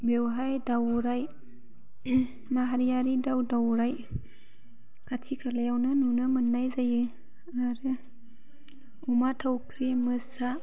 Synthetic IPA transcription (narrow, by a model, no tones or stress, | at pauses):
bewɦajdawɾaj | maɦaɾijaɾidawdawɾaj | kʰatʰikʰalajawnɯnunɯmɯnːajzajɯ | aɾɯ | umatʰawkʰɾimɯsa